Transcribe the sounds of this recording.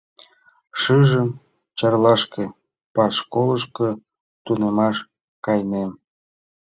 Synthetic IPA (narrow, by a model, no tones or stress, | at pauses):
ʃɯʒəm | t͡ɕɑrlɑʃke | pɑʃkoləʃkə | t̪unemɑʃ | kɑjnem